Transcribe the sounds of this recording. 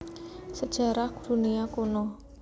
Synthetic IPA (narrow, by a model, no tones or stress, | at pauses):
səd̥ʒ̥a̤ɾahkd̥ṳniakonɔ